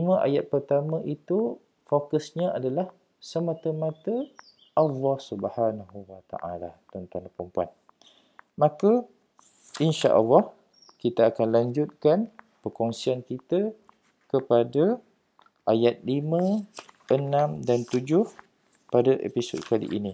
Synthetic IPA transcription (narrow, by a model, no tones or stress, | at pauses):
imə̃ʔa̰jat̪̚pərt̪amə̃ʔit̪u | fokəsɲəadalah | səmãt̪əmãt̪ə | ʔalːɑhsubhanaɦuwat̪a̰ʔa̰lat̪ɔnt̪anapɾəmpua̰n | mãka | ʔinʃa̰ʔə̰lːɑh | kit̪aːkanlaɲd͡ʒʊt̪̚kan | pərkɔŋsiankit̪a | kəpada | ʔajat̪̚limə̃ʔənãmdant̪ud͡ʒʊh | padaʔḛpiso̰d̪̚kalḭʔḭni